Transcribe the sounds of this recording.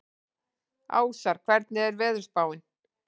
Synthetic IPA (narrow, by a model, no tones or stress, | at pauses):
a̰ːwsaɾ̥kʰvɛɾt̪̚nɪɛɾvɛːðʏɾ̥spaːwɪn